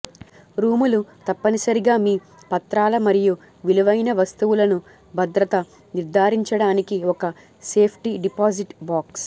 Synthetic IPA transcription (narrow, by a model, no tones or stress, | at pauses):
ɾuːmulut̪ɐpːɐnisɐɾiɡaːmiː | pɐt̪ɾaːlɐmɐɾiju | ʋiluʋɐjnɐʋɐst̪uʋulɐnu | bʱɐd̪ɾɐt̪ɐ | niɾd̪ʱaːɾiɲt͡ʃɐɽaːnikiɔkɐ | se̞ːpʰʈiɖipaːziʈbaːks